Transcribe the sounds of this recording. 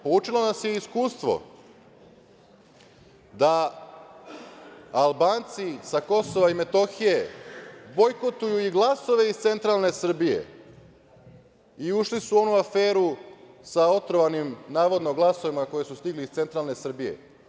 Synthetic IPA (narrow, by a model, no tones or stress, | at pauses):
po̞uːt͡ʃilˠonasjeiskuːst̪ʋo̞̰ | d̪a | albaːnt̪sisako̞so̞ʋaime̞t̪o̞xije̞bo̞jko̞t̪ujuiɡlˠaso̞ʋe̞ist̪se̞nt̪ɾalˠne̞sr̩bije̞̰ | iuʃlisuo̞nuafeːɾu | sao̞t̪ɾoʋanimnaːʋo̞d̪noɡlˠaso̞ʋimako̞je̞sust̪iɡlist̪se̞nt̪ɾalˠne̞sr̩bije̞̰